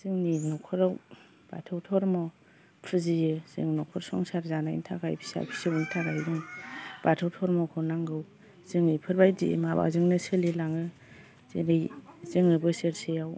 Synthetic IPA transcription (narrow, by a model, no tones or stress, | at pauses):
z̥ɯŋninɔkʰɔɾaw | b̥a̰tʰɯwtʰɔɾmɔ | pʰɯzijɯz̥ɯ̰ŋnɔkʰɔɾsɔ̰ŋsaɾzanajḭntʰakʰajpʰi̥sa̰jpʰi̥sɯwintʰaɾajdɯŋbatʰɯwtʰɔɾmɔkʰɯnaŋɡɯw | z̥ɯŋɯjpʰɯɾbajdiʔḛmaba̰zɯŋnɯsɯlilaŋɯ | zḛɾejz̥ɯŋɯbɯsɯɾsejaw